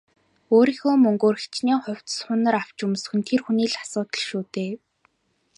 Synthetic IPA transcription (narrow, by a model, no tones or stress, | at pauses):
oːɾiːxoːmɵŋɡoːrxʰt͡ɕniːχʊw̥t͡s̪sχʊnə̆raw̥t͡ɕɵmsxɵ̆nt̪ʰerxuniːɮḁsʊːt̪ɞ̆ɮʃuːt̪eː